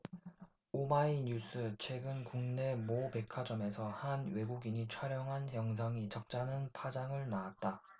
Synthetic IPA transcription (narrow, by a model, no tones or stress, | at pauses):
omaiɲus͈ʰɯt͡ɕʰwe̞ɡɯnkuŋne̞mobe̞kʰad͡ʑʌme̞sʰʌhanwe̞ɡuɡiɲit͡ɕʰwaɾjʌŋɦanjʌŋs̬ʰaŋit͡ɕʌk̚t͡ɕ͈anɯnpʰad͡ʑaŋɯɭnaːt̚t͈a